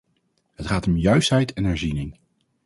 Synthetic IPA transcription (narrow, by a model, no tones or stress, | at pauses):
ɦətχaːtɔmjœɥstɦɛjtʰɛnɦɛɹzinɪŋ